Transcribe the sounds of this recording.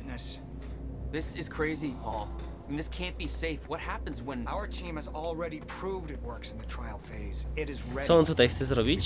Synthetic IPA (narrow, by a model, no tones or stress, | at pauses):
nɨs | ðɪsɨz̥kʰɹ̥eɪziɔl̃ˠ | n̩ðɪskʰæ̃nb̥iseɪfwʌt̚hæpɨ̃nzwə̃naʊə˞tʰĩmɨzl̩ˠɹɛɾipʰɹ̥uvdɨt̚wɜ˞ksn̩ðɨtʰɹ̥aɪl̩ˠfeɪzɪɾɨzɹɛsɔɔnt̪ut̪ajxt̪sɛzɾɔbʲit͡ɕ